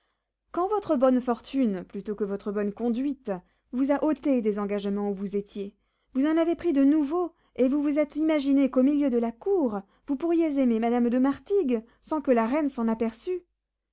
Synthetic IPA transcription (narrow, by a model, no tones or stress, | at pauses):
kɑ̃vɔt̪χəbɔnfɔʁt̪ynplyt̪okəvɔt̪χəbɔnkɔ̃d̪ɥit̪ | vuzaʔot̪ed̪ezɑ̃ɡaʒmɑ̃uvuzet̪je | vuzɑ̃navepχid̪ənuvo | evuvuzɛt̪imaʒinekomiljød̪əlakuʁ | vupuʁjezememad̪amd̪əmaʁt̪iɡ | sɑ̃kəlaʁɛnsɑ̃napɛʁsy